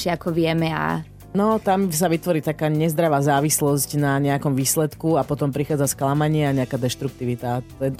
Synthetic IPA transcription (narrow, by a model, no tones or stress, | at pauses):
ɛakɔʋɪɛmɛa̰ | nɔt̪ams̬aʋit̪ʋɔɾiːt̪akaːɲɛzd̪ɾaʋaːzaːʋislɔscnaɲɛakɔmʋiːslɛt̪kuapɔt̪ɔmpɾixaːd͡zasklamaɲɪɛaɲɛakaːd̪ɛʃt̪ɾuk̚t̪iʋit̪aɛ